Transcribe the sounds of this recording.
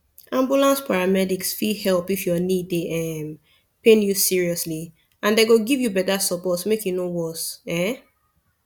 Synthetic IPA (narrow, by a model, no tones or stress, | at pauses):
ãmbjulãnspaɹamɛdiksfihɛlpifjɔnideʔɛm | pẽnjusiɹiɔsli | ãndeɡoɡivjubɛtasɔpɔtmekjunowɔsɛ̃